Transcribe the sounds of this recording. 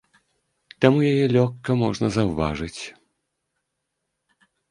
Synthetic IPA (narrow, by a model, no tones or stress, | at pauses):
t̪amujajɛlʲɔkːɐmɔʐnɐzɐwva̰ʐɨt͡sʲ